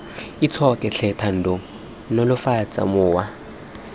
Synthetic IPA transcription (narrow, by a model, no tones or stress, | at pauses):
it͡sʰɔkʼɛɬʰɛtʰan̩dʱɔ | nolʊfat͡sʼa̰mʊːwa